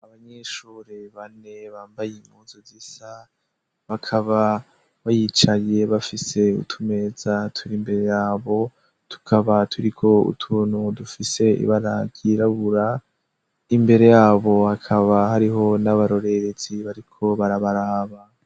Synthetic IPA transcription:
aβaɲeʃuːɾeβane̞βaːmbajimuːzozisa | βakʰaβa | βajit͡ʃaɾje̞βafise̞ṵtʰume̞zatʰuɾimbe̞ɾe̞jaːβo̞ | tʰu̥kʰaβatʰuɾikʰo̞ṵtʰuːnhudufise̞ḭβaɾaɡiɾaβuɾa | imbe̞ɾe̞jaːβo̞hakʰaβahaɾiɦo̞naβaɾo̞ɾe̞ɾeziβaɾikʰo̞βaɾaβaɾaːβa

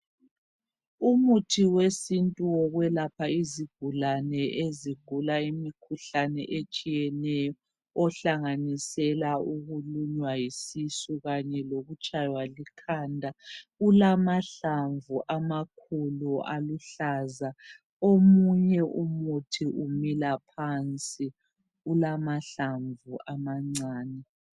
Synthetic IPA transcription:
umutʰiwesintʼuɔɣwɛlapʰaiziɡ̥ʱulanɛʔeziɡ̥ʱulaimikʰuɬanɛʔet͡ʃʼijɛnɛjɔ | ɔɬaŋanisɛlauɣuluɲwajisisuɣaɲɛloɣut͡ʃʼajwalikʰandʱaulamaɬaɱvuʔamakʰuluʔaluɬaza | omuɲɛʔumutʰiʔumilapʰant͡sʼi | ulamaɬaɱvuamaŋ͡ǀaːnɛ

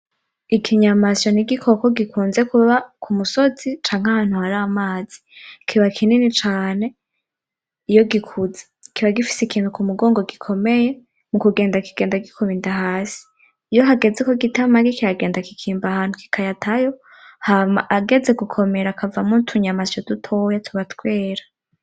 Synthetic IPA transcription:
ikʰiɲamasjo̞niɡikʰo̞koɡikuːnzekuβakʰumuso̞z̥it͡ʃaːŋ̥hahaːn̥huhaɾamaːz̥i̥kʰiβakʰininit͡ʃaːne̞ | ijoɡikʰuze̥ | kiβaɡifi̥sikʰiːntukumuɡoːŋɡo̞ɡikʰo̞me̞je̞ | mukuɡe̞ːndakiɡ̥eːndaɡikʰuβiːndaɦaːsi̥ː | jo̞ɦaɡe̞zekoɡitamaɡikijaɡe̞ːndakikʰiːmbahaːn̥huki̥kʰajatʰajo̞ | hamaʔaɡe̞d͡ze̞ɡukʰo̞meɾakavamutʰuɲamasjodutʰojatʰuβatkwe̞ːɾa

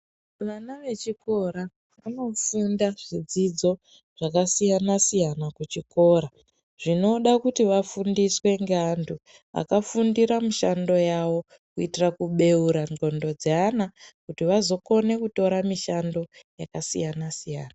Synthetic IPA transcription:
ʋanaʋe̞t͡ʃiko̞ɾa | ʋano̞fundaʐ̥id͡zid͡zo̞ | ʐ̥akasijanasijanakut͡ʃiko̞ːɾa | ʐ̥ino̞ɗakutiʋafundiswe̞ŋɡeandʰu | a̰kafundiɾamuʃando̞jawo̞ | kuitirakuɓe̞uɾaŋɡo̞ndo̞d͡zeanakutiʋazo̞ko̞ne̞kuto̞ɾamiʃando̞jakasijanasijaːna

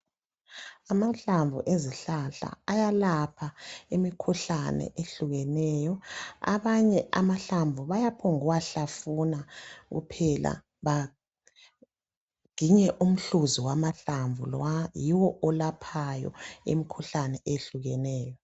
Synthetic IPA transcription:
amaɬaɱvuʔeziɬaɬa̰ːjalapʰaimikʰuɬanɛ̰ʔeɬuɣɛnɛːjɔa̰βaɲɛʔamaɬaɱvʱuβajapʰɔŋuwaɬafunaɣṵpʰɛla̰ | βa | ɡ̥ʱiɲɛʔum̩ɬuziwamaɬaɱvulajiwɔɔlapʰajɔ̰ḭmikʰuɬanɛʔeɬuɣɛnɛːjɔ

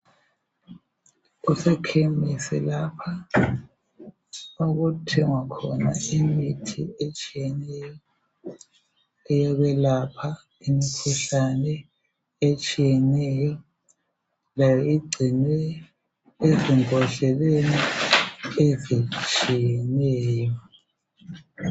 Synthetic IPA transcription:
usɛkʰemisɛ̰lapʰa | oɣutʰɛŋwakʰɔnaimitʰiet͡ʃʼijɛnɛjɔ | ɛjɔβɛlapʰa | imikʰuɬanɛ | et͡ʃʼijɛnɛjɔ | lajɔiɡ͡ǀʱinwɛ | eziŋɔɮɛleni | ezit͡ʃʼijɛnɛːjjɔɔ

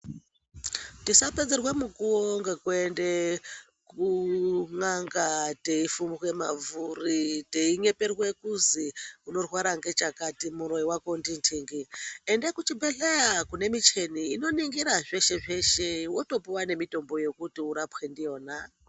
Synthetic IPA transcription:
tisaped͡zerwemukuwoŋɡe̞kwende | kuŋaŋɡateifumirwemavuriteiɲe̞perwe̞kuziuno̞rwaɾaŋɡe̞t͡ʃakatimuɾo̞iwakondintʰiŋɡiendekut͡ʃibe̞ɬejakune̞mit͡ʃe̞niːno̞niŋɡiɾaʐe̞ʃe̞ʐe̞ʃe̞wo̞to̞puwane̞mito̞mbo̞jo̞kutiuɾapxendijoːna

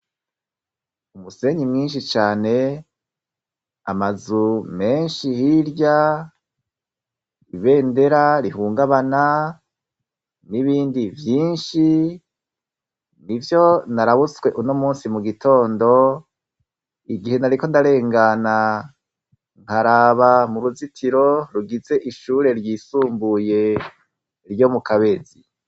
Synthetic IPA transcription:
umuse̞ɲimŋiːnʃ̬it͡ʃaːne̞ | a̰mazume̞ːnʃihiɾɟa | iβe̞ːnde̞ɾaɾihuːŋɡaβana | niβiːndivjiːnʃi | nivjo̞naɾaβuswe̞ʔuno̞muːnsimuɡitʰo̞ːndo̞ | iɡihe̞naɾiko̞ndaɾe̞ːŋɡana | ŋ̥haɾaβamuɾuzitʰiɾo̞ɾuɡize̞ʔiʃuːɾe̞ɾjisuːmbuje̞ | ɾjo̞mukaβe̞zi

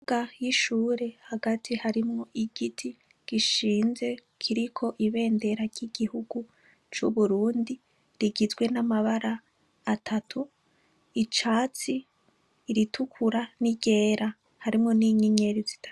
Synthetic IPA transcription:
uɡ̥ajiʃuːɾe̞haɡatʰihaɾimŋoʔiɡ̥itʰi | ɡ̥iʃiːnze̞kʰiɾikʰo̞ʔiβe̞ːnde̞ɾaɾɟiɡ̥ihuɡu | t͡ʃṵβuɾuːndi | ɾiɡizɡwe̞namaβaɾaː | tʰatʰu | it͡ʃaːt͡siː | ɾitukʰuɾaniɟe̞ːɾa | haɾimŋo̞niɲiɲe̞ɾizi̥tʰḁ

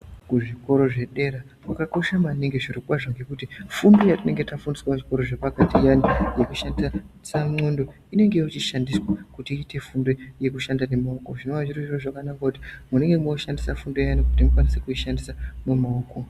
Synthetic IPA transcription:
kuʐiko̞ɾo̞ʐe̞ɗe̞ɾa | kakako̞ʃamaneŋɡe̞ʐirokwaʐoŋɡe̞kutifundojatine̞ŋɡe̞tafundiswaʐiko̞ɾo̞ʐepakatijanije̞kuʃandisasaŋ͡ǀo̞ndo̞ | ine̞ŋɡe̞jit͡ʃiʃandiswakutiiːte̞fundo̞je̞kuʃandane̞maoko̞ʐino̞ʋaʐiroʐiroʐakanakakutimune̞ŋɡemoʃandisafundo̞janikutimukwanise̞kuiʃandisamumaoːko̞

